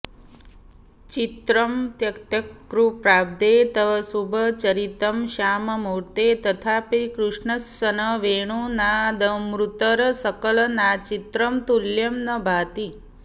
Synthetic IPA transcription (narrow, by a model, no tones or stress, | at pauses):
t͡ʃit̪ɾəmt̪jɐkt̪ɐkːɾupɾaːb̚d̪et̪əʋsubʱət͡ʃɐɾit̪əmʃaːmɐmuɾt̪et̪ət̪ʰapikɾuʂɳəsːənəʋeːɳ̃unad̪ɐmɾut̪əɾsəkəlnat͡ʃit̪ɾəmt̪uljɐmnəbʱaːt̪i